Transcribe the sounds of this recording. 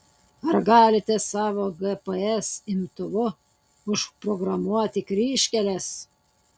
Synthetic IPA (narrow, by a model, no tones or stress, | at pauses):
ɐɾɡɑːlʲɪt̪ʲɛsɑːʋoːɡɛpɛɛsɪmt̪ʊʋʊ | ʊʃpɾɔɡɾɐmuɔt̪ʲɪkɾʲiːʃʲkʲɛlʲɛs